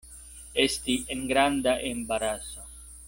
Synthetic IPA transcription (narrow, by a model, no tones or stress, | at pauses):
est̪ieŋɡɾand̪aʔembaɾasa